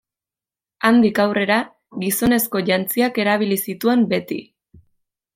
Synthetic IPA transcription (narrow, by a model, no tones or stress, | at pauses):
and̪ikawre̞ɾa | ɣiso̞ne̞sko̞ʝant͡siake̞ɾaβ̞ilisit̪ue̞mbe̞t̪ḭ